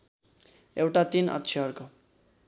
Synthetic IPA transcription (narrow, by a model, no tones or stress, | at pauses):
ewʈat̪inʌ̰t̪ːt͡ʃʰiʌrko